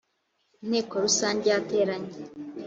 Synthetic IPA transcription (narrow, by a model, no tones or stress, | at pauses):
in̥he̞ːko̞ɾusaːɲɟejate̞ːɾaɲe